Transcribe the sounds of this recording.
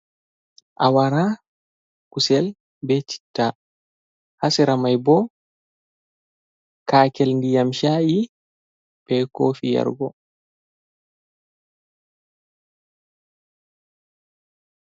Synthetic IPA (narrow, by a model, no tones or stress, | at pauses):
ʔawaɾa | kusɛl | bɛt͡ʃi̥tːa | hasɛɾamajbɔ | kaːkɛlndijamʃaːji | bɛkoːfija̰ɾɡɔ